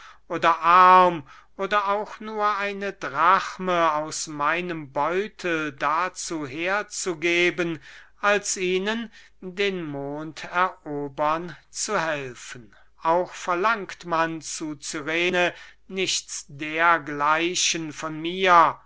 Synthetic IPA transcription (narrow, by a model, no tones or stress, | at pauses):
ʔoːdɐʔaɐm | ʔoːdɐaʊxnuːɐʔaɪnədʁaχməaʊsmaɪnəmbɔʏtʰl̩dat͡suːɦeːɐt͡suɡeːbənʔalsʔiːnən | deːnmoːntʰɛɐʔoːbɐnt͡suhɛlfən̩ | ʔaʊxfɛɐlaŋktmant͡sut͡syʁeːnənɪçsd̥eːɐɡlaɪʃənfɔnmiːɐ